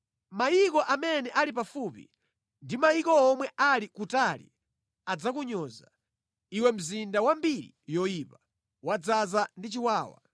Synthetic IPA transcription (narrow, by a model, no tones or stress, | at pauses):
maikɔʔamɛnɛʔalipafuːpḭ | ndimaikɔːmwɛʔalikutaːlḭ | ad͡zakuɲɔːza | iwɛm̩zindawambiɾḭjɔiːpa | wad͡zazandit͡ʃiwaːwa̰